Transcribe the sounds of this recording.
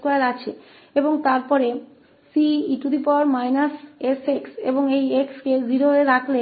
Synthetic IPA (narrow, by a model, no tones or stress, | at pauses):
koelat͡ɕʰe | eboŋt̪aɾpɔɾe | siiʈud̪ʱipɔɾmajnaseseksḛboŋejekskeziɾoeɾakʰle